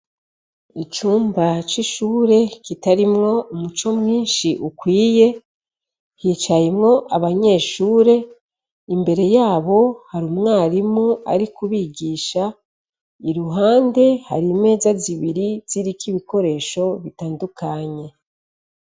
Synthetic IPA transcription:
it͡ʃuːmbat͡ʃiʃuːɾe̞kitaɾimŋo̞umut͡ʃo̞mŋiːnʃiʔukwiːje | hiːt͡ʃajemŋo̞ʔaβaɲe̞ʃuːɾe̞ | imbe̞ɾe̞jaːβo̞haɾumŋaːɾimua̰ɾikuβiɡiːʃa | iɾuɦaːnde̞ha̰ɾime̞ːzaziβiɾiz̥iɾikiβiko̞ɾe̞ːʃo̞βitaːndukaɲe̞

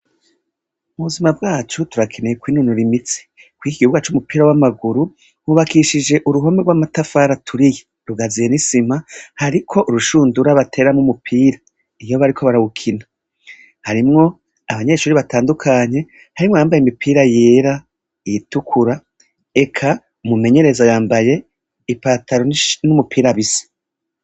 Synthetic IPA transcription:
umuβuzimabɡaːt͡ʃutuɾakʰe̞nejekwiːnunuɾimit͡si̥ | kwiːiɡihuɡat͡ʃumupiːɾawamaɡuɾu | huβakiʃid͡ʒe̞ʔuɾuɦo̞meɡwamatafaɾatʰuɾije̥ | ɾuɡazije̞nisimahaɾikʰo̞ʔuɾuʃuːnduɾaβatʰe̞ɾamŋumupʰiːɾa | ijo̞βaɾikʰo̞βaɾaβukʰina | haɾimŋo̞ | aβaɲe̞ʃuːɾiβatʰaːndukʰaɲe̞ | haɾimŋojaːmbajeimipʰiːɾajeːɾa | ijitukʰuɾa | e̞kʰa | mume̞ɲe̞ɾe̞zajaːmbaje̞ | ipaːtʰaɾonumupʰiːɾaβisi̥

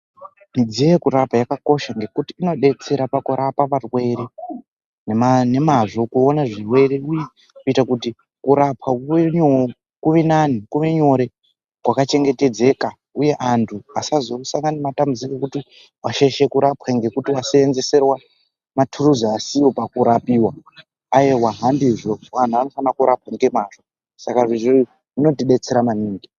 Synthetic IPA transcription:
mid͡zijekuɾapajakako̞ʃaŋɡe̞kutiːno̞ɗe̞t͡se̞ɾapakuɾapaparwe̞ɾe | nemne̞maʐo̞kuo̞naʐirwe̞ɾeuji | kuitakuti | kuɾapwakueɲo | kuʋenanikuʋe̞ɲo̞ɾe̞ | kwakat͡ʃe̞ŋɡe̞te̞d͡ze̞ka | uje̞ʔantʰuasazousaŋɡanimatamud͡zikekuti | waʃeʃe̞kuɾapwaŋɡe̞kutiwaseːnze̞se̞rwa | matʰuruzaasiwopakuɾapiːwa | ajewaɦandiʐowan̤uano̞fanakuɾʔap̚waŋɡe̞maʐo | sakaʐiʐer | ʐino̞tiɗe̞t͡seɾamaniːŋɡi

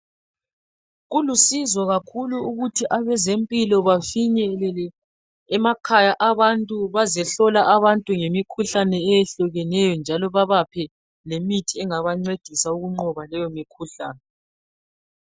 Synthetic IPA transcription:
ɣulusizɔɣakʰuluuɣutʰiʔaβɛzempʼilɔβafiɲɛlɛlɛ | ɛmakʰajaʔaβantʼuβazɛɬɔlaʔaβantʼuŋemikʰuɬanɛːjɛɬuɣɛnɛjɔnd͡ʒʱalɔβaβapʰɛ | lemitʰiɛŋaβaŋ͡ǀwed̥ʱisauɣuŋ͡ǀɔβalɛjomikʰuɬa̰ːnɛ

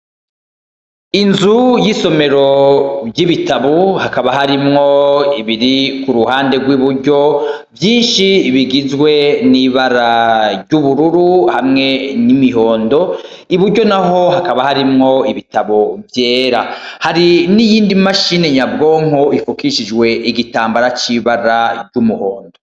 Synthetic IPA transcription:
inzujiso̞me̞ɾo̞bɟiβitaβohakaβaɦaɾimŋo̞iβiɾikuɾuhaːnde̞ɡwiβuɾɟo̞ | vjiːnʃiβiɡizɡwe̞niβaɾaɾɟuβuɾuɾuhamŋe̞nimiɦo̞ːndo̞ | iβuɾɟo̞naɦo̞hakaβahaɾimŋo̞iβitaβovje̞ːɾa̰haɾinijiːndimaʃine̞ɲabɡo̞ːŋ̥oifukiʃid͡ʒɡwe̞ʔiɡitaːmbaɾat͡ʃiβaɾaɟumuho̞ːndo̞

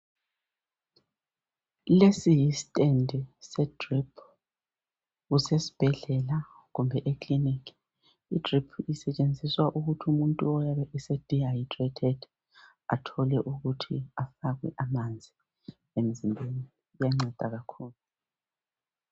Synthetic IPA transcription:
lesijisi̥tʼendʱisɛd̥ripʰ | ɣusesi̥b̥ʱɛɮɛla | ɣumbʱɛʔekʰlinikʰ | idripʰisɛt͡ʃʼend͡zʱiswaʔuɣutʰumuntʼuɔjaβɛʔɛsɛd̥ʱiajtrɛtʰɛd̥ | a̰tʰɔlɛʔuɣutʰiafaɣwɛ̰ʔamand͡zʱi | em̩zimbʱeni | jaŋ͡ǀɛd̥ʱaɣakʰuːlu

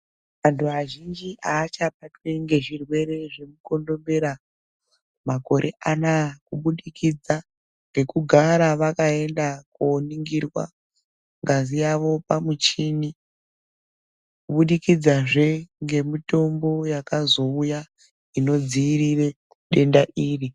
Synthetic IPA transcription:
antʰuaʒind͡ʒiʔaːt͡ʃap̚atweŋɡe̞ʐirwe̞ɾe̞ʐe̞muko̞ndo̞mbe̞ɾa | mako̞ɾʔe̞ʔanakuɓuɗikid͡za | ŋɡe̞kuɡʱaɾaʋakae̞ndakoːniŋɡirwa̰ | ŋɡazijaʋo̞pamut͡ʃini | kuɓuɗikid͡zaʐe̞ŋɡe̞mito̞mbo̞jakazo̞uja | ino̞d͡ziːrire̞ | ɗe̞ndaʔiːri

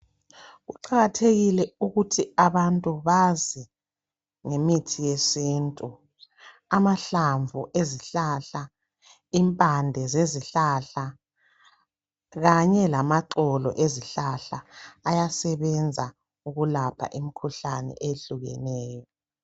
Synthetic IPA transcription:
ɣuǃaɣatʰeɣilɛuɣutʰiaβantʼuβazɛ | ŋemitʰijesiːntʼu | amaɬaɱvʱuʔeziɬaɬa | impʼandʱɛzeziɬaɬa | ɣaɲɛlamaǁɔlɔ̰ʔeziɬaɬaːjasɛβɛnd͡zʱa | uɣulapʰa̰ʔimikʰuɬanɛ̰ʔeɬuɣɛ̰nɛːjɔ

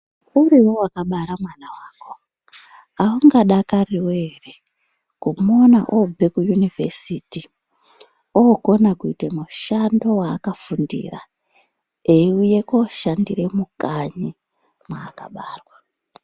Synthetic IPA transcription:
uɾiwowakaɓaɾamwanawaːko̞ | auŋɡaɗakariwere | kumonaʔob͡ve̞kujunivesiti | oɡo̞nakuitemuʃando̞waːkafundḭra̰ | euje̞koʃandiɾe̞mukaɲi | mwaːka̰ɓaːrwa

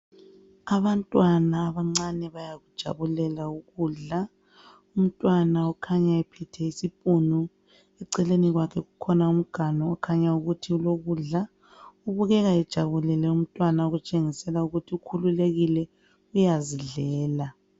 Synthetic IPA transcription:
aβantʼwanaːβaŋ͡ǀanɛβajaɣud̥ʒ̥ʱa̰βulɛlauɣuɮa | um̩tʼwanaɔkʰaɲaɛpʰitʰɛisipʼunu | ɛǀɛleniɣwakʰɛɣukʰɔnaum̩ɡ̥ʱanɔːkʰaɲauɣutʰiuloɣuɮa | uβuɣɛɣaɛd̥ʒ̥ʱaβulɛlɛum̩tʼwanauɣut͡ʃʼeŋisɛlauɣutʰiukʰululeɣilɛ | ujaziɮɛːla

